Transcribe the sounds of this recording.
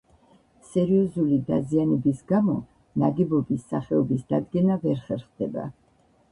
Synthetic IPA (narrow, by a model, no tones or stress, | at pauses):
sɛɾiɔzulid̪azianɛbisɡamɔ | naɡɛbɔbisːaχɛɔbisd̪ad̪ɡɛnavɛɾχɛɾχd̪ɛba̰